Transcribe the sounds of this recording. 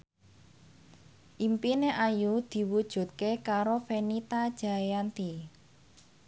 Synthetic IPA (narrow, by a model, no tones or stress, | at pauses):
ʔimpineʔajud̪̥i̤wud̥ʒ̥ṳt̪̚kekaɾofenit̪ad̥ʒ̥a̤jant̪i